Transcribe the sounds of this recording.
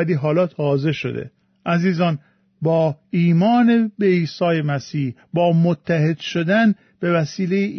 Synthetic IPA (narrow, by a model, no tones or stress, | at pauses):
æliːɦɒːlɒːt̪ʰɒːze̞ʃo̞̰d̪ḛ | ʔæziːzɒːn | bɒːiːmɒːnebeiːsɒːje̞mæsiːhbɒːmot̪ʰːæhe̞d̪̥ʃo̞d̪æn | b̥e̞væsiːlejeʔ